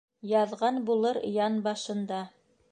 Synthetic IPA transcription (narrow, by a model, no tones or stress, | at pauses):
jɑðʁɑnbulˠɤɾjɑnbɑʃɤ̆nd̪ɑ